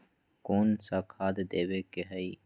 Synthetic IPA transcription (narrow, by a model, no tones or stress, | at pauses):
koːnsakʰaːd̪d̪eːwekeɦɐi